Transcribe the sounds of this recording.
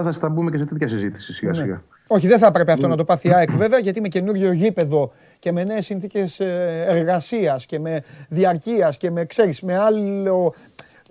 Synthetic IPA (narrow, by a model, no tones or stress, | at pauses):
ɐsɐst̪ɐbumece̞set̪et̪çɐsizit̪i̥sisiɣɐ̰nsiɣɐ̰ | o̞çiðenθɐpɾe̞peɐft̪onɐt̪o̞pɐθiɐekve̞veɐʝɐt̪ime̞ce̞nuɾʝoʝipe̞ðo̞ | ce̞me̞ne̞ːsːinθice̞sːɾɣɐsiɐsce̞me̞ðiɐɾciɐsce̞me̞kse̞ɾisme̞alo